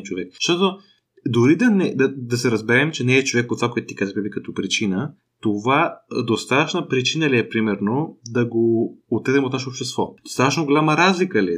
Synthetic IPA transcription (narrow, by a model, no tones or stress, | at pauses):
t͡ʃovɛkʃt̪ɔt̪o | d̪oɾid̪ɐnɛd̪ɐd̪ɐsɛɾɐzbɛɾɛmt͡ʃɛnɛːt͡ʃovɛk̚pot̪vakojɛt̪ʊt̪ikazəbɛbikɐt̪ɔpɾit͡ʃinə | t̪ovad̪ost̪at̪ət͡ʃnəpɾit͡ʃinəliɛpɾimɛɾnod̪ɐɡoːt̪ɛd̪ɛmot̪naʃɛopʃt̪ɛst̪vɔd̪ost̪at̪ət͡ʃnoɡolʲaməɾazlikəliɛ